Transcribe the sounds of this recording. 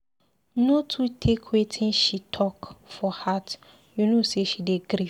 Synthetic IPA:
notʰutʰekʰwetʰĩnʃitʰɔkfɔhat | junoseʃideɡɾi

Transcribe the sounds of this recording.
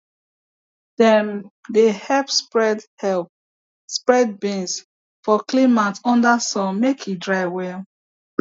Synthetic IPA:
dɛ̃ndehɛpspɹɛdɛlp̚ | spɹɛd̚bĩns | fɔklimatɔ̃ndasɔ̃nmekʰidɹaɪwɛ

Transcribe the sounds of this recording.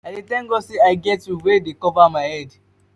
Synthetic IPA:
adetɛ̃ŋɡoseaɪɡɛtjuwedekɔvamaɪhɛd

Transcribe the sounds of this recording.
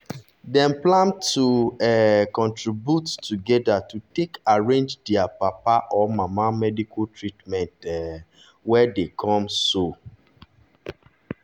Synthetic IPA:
dɛ̃mplãntuɛkɔ̃ntɹibjutːuɡɛdatutekaɹẽnd͡ʒdɛapapaʔɔmamamɛdikʰutɹitmɛ̃ntɛ | wɛdekʰɔ̃mso

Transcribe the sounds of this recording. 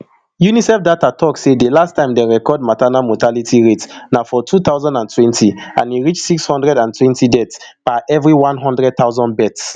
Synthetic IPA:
junisɛfdatatʰɔksedelastʰãɪ̃mdeɹɛkɔd̚matanamotalitʰiɹetnafɔtʰut̪aʊzãndãntʰwɛ̃ntʰiãniɹit͡ʃtsikshɔ̃ndɹɛdãntʰwɛ̃ntʰidɛtsb̥aʔɛvɹiwãnɦɔ̃ndɹɛd̚tθaʊzɔ̃ndbɛts

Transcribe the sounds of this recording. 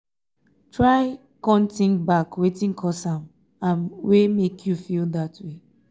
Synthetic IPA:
tɹaɪ | kɔ̃ntɪ̃ŋbakwetĩŋkʰɔsãm | ãnwemekʰjufildatwe

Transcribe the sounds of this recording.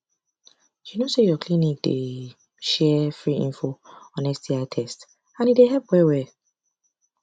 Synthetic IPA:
junosejɔkʰlĩnik̚d̥e | ʃɛfɹiḭ̃ɱfoɔnɛstʰiatʰɛst | ãnideɦɛp̚wɛwɛ

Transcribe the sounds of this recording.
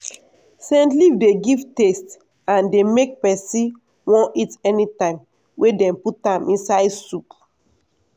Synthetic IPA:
sɛ̃ntlivdeɡivtest | ãndemek̚pɛsĩ | wɔ̃ʔitɛnitãɪ̃m | wʔedɛ̃mputãmʔĩnsaɪdsup

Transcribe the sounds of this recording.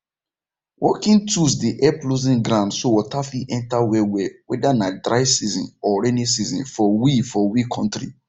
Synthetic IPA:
wʔɔ̰kĩntusdiʔɛplozĩnɡɾãndsowɔtafiʔɛ̃ntawɛwɛwɛdanadɾaɪsizɔ̰̃nɔɹɛnisizɔ̰̃nfɔwifɔwikʰɔ̃ntɾḭ

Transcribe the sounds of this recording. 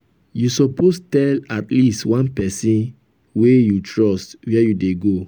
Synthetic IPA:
jusɔpostɛlatlistwãnpɛsĩn | wejutɹɔstwɛjudeɡo

